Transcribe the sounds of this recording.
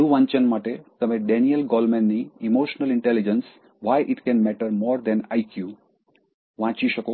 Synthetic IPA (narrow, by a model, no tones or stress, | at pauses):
d̪uʋãːɲt͡ʃənmaʈet̪əmẽɖɛnijəlɡɔlmɛnːiimoːʃnəlɪɳʈɛlid͡ʒəns | ʋajʔɪʈkɛ̃nmɛʈəɾmɔːɾd̪ɛ̃najkju | ʋãt͡ʃiʃəko